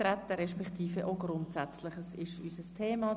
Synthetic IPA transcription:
ɾɛt̪ːəɾɛʃpɛkt̪ʰiːfəʔoɡɾʊntsɛt͡slɪχəsɪʃysəstʰeːmɑ

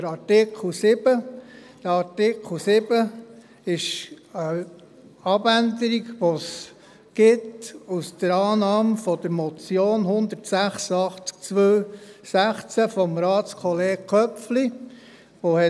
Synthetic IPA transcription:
dəɾɑɾtɪkʰl̩sɪb̥əd̥əɾɑɾtɪkχl̩sɪb̥ə | ɪʃə | ɑbænd̪əɾiɡʋos | ɡ̥ɪtusd̥̪əɾɑːnɑːmfɔd̪əɾmɔt͡sjoːnɦʊnd̪əɾtsæχsəɑχt͡sk̚t͡sʋøːsæχt͡sæfɔmɾɑːtt͡skʰɔleːɡkʰœpfli | ʋohɛ

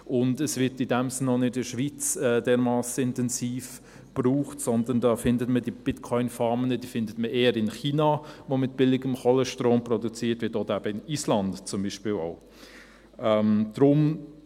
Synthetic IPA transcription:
ʔʊndəsvɪɾtidɛmsnːɔnɪdɪʃʋit͡sɛːdɛːɾmɑːsəɪntɛnsiːf | b̥ruːχtsɔndəndɑːfɪndətmədib̥ɪtkʰɔʏnfɑːmənəd̥iːfɪndətməʔeːəɾɪnχiːnaʋomɪt̚b̥ɪlɪɡəmχɔləʃtroːmprɔdut͡siːtʋɪtɔd̥̪əæb̥əɪnislɑndt͡sʊmbiːʃpɪlɔ̰ʊ | ʔɛmd̥ɾʊm

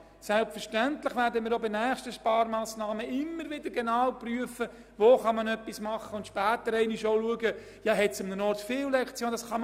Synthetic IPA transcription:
sɛlpfəɾʃtænt̪lɪχʋæɾdəmɪːɾobɪnæːχʃtəʃpɑːɾmɑːsnɑːməɪmːəɾʋɪd̪əɾɡɛnɑːwpryəfə | voːχɑmɑnœpːismɑχːəʊnt̪ʃpæːt̪əɾɛɪnɪʃoʊluəɡə | jɑɦɛtsʊmnənɔrtfɪːllɛkt͡sjoːnd̥̪ɑsχɑm

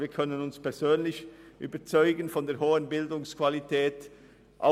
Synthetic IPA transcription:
viːɐkʰœnənʊnspɛɐz̥øːnlɪçʔy̰ːbɐt͡sɔʏɡənfɔndeːɐɦoːənbɪldʊŋskv̥alitʰɛːt | ʔa̰

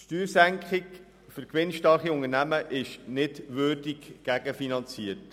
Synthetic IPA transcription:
ʃtyːɾsæŋkχɪk | fʏɾkʋɪnʃtɑχiʊŋənæməʔɪʃnɪdʋørdikɡ̥æɡ̥əfinɑnt͡siːət

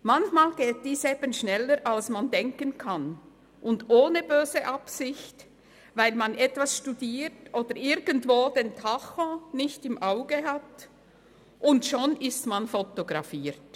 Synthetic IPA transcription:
mançmaːlɡeːt̚d̥iːseːb̥ənʃnɛlːəɾʔalsmandɛŋkənkʰan | ʔʊndoːnəbøːzəʔapsɪçt | vaɪlmanɛtv̥asʃtudiːtʔoːd̥əɾɪɾɡəntvoːd̥entʰaxɔ̃nɪçtɪmʔaʊɡəɦat | ʔʊntʃonɪstmanfotoɡɾɑfiːɾt

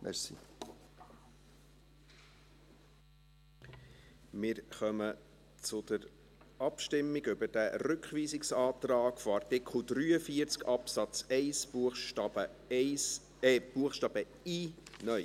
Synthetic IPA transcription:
mʔɛ̰ɾsḭ | mɪːɾχœmə | t͡sʊd̪̥əɾ | ɑpʃtɪmːɪɡʏbəɾd̥æɾʉkχʋiːzɪksɑːt̪rɑːkfoɑrtɪkχl̩ˠd̪ɾyːəfiəɾt͡skʰɑpsɑt͡sɛɪsbuəχʃtɑbə | ɛɪs | ɛb̥uəχʃtɑːb̥ə | inœj

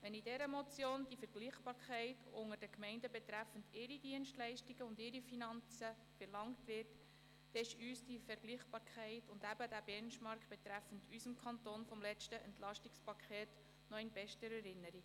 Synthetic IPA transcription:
ʋɛnidɛɾəmɔt͡sjoːnd̥ifəɾɡliːχb̥ɑːɾkʰχɛɪtʊŋəɾd̥əkmɛɪndəbɛt̪ɾæfəndɪɾidiənʃtlɛɪʃtiɡəʊndɪɾifinɑnt͡sə | fəɾlɑŋtʋɪrt | d̥ɛɪʃyːsd̥ifɛɾɡ̥liːχb̥ɑːɾkʰɛɪtʊndæbədæb̥ɛnʃmɑɾkχb̥ɛt̪ɾæfəntysəmkʰɑntonfɔmlɛt͡ʃtəʔɛntlɑʃtikspɑkʰχeːt | nɔɛɪnbɛʃtəɾɛɾɪnːəɾiɡ

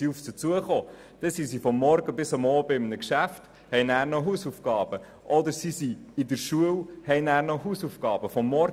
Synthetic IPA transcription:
iuft͡sət͡suəχoː | d̥ɛsisifɔmːɔɾɡəbɪsɑmɔːbəɪmnəkʃæft | hɛjnæːɾnɔɦusufɡ̥ɑːb̥ə | ʔɔd̪əɾsisiɪd̪əɾʃuəwhɛɪnæːɾnɔɦusufɡ̥ɑːb̥əfɔmːɔɾ

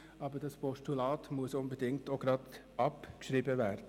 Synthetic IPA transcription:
ʔɑːbədɑspʰɔʃtulɑːtmuəsʊnbədɪŋktoɡ̥ɾɑt̪ | ɑpkʃɾiːbəvæːɾdə

